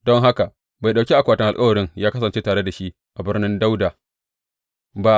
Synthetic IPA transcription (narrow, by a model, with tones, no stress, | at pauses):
dɔ˦ŋɦa˦ka˨ | ba˨jɗa˨wkʲi˦ʔa˨kʷaː˨tɐ˦ŋʔa˨kʼɐ˦wɐ˨ɽɪ˦ŋjaː˦kɐ˦sɐ˨nt͡ʃeː˦taː˨ɽe˦da˨ʃi˦ʔ | ʔa˨bɪ˦rnɪ˦nda˦wdaː˨ | ba˨